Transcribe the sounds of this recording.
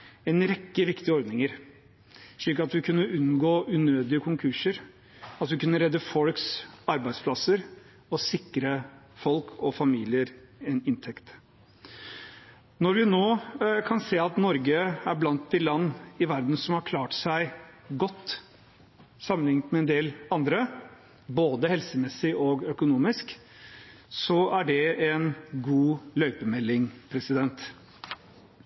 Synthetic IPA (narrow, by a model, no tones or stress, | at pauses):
ɛnɾɛkːəʋɪkt̪ɪɔɾd̪nɪŋəɾ | ʂɭiːkɑt̪ʋɪkʰʉnːəʉnɡoːʔʉnøːd̪ɪəkʰʊŋkʰʉʂəɾ | ɑt̪ʋɪkʉnːəɾɛd̪ːəfɔlksɑɾbæɪd̪spʰlɑsəɾ | ɔsɪkːɾəfɔlkʰɔfɑmiːlɪəɾɛnɪnt̪ʰɛkt̪ | nɔɾʋɪnoːkʰɑnseːɑt̪nɔɾɡəæɾblɑnt̪̚d̪ɪlɑnːɪʋæɾd̪n̩sɔmhɑɾkʰlɑːʈsæɪɡɔt̪ː | sɑmːənɪŋt̪mɛɛnd̪eːlɑnd̪ɾə | boːd̪əhɛlsəmɛsɪʔɔɡœkʊnuːmɪsk | sɔæɖɛɛnɡuːlœʏpəmɛlːɪŋpʰɾɛsɪd̪ɛnt̪